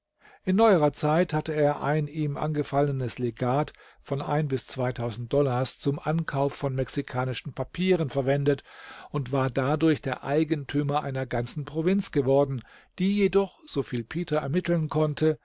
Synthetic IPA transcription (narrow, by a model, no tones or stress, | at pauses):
ʔɪnːɔʏəʁɐt͡saɪthatəeːɐʔa̰ɪniːmʔa̰nɡəfalənəsleɡaːt | fɔnʔa̰ɪnbɪst͡sv̥aɪtʰaʊzn̩t̚d̥ɔlaːɐst͡sʊmʔankʰaʊfːɔnmɛksikʰaːnɪʃn̩pʰapʰiːʁ̞ənfɛɐvɛndətʔʊntv̥aːɐdadʊɐçd̥eːɐʔaɪɡəntʰyːmɐʔa̰ɪnɐɡant͡sn̩pʁ̥ovɪnt͡sɡ̥əvɔɐdn̩ | d̥iːjedɔχz̥ofiːlpʰeːtɐɛɐmɪtl̩nkʰɔntʰə